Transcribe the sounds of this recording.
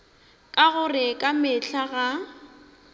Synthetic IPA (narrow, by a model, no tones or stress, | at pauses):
kʼaɣʊrɪkʼamɪɬaɣa